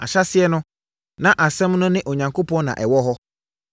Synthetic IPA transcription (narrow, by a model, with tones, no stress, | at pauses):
a̰˨ɕa˦sɪ˦ɛ˦nʊ̃˦ | nã˦ʔa˨sɛ̃˦mnʊ̃˦nɪ̃˦ʔo˨ɲã˨ŋko˦pɔ̃˦nã̰˨ʔɛ˨wɔ˦ɦɔ˦